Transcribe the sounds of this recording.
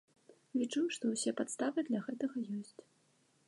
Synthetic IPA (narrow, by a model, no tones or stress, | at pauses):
vʲit͡ʂujʂt̪ɔwsʲɛpat̪st̪avɨd̪lʲɐɣɛt̪ɐɣɐjɔsʲt͡sʲ